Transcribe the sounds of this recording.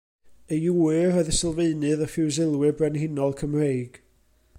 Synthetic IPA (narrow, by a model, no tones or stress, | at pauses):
əjuːɨrɔðəsəlˠveɨnɨðəfɪwzɪlˠwɪbrɛnhɪnɔlˠkʰəmrejɡ̥